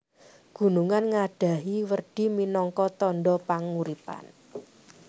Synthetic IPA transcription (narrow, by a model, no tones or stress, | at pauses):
ɡ̥ṳnuŋanŋaɖ̥a̤ɦiwərɖ̥i̤minɔŋkɔt̪ɔnɖɔpaŋuɾipa̰n